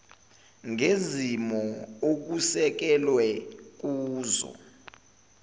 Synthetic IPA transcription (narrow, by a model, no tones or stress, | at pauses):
ŋezimɔok̬usɛk̬ɛlwɛk̬uːzɔ̰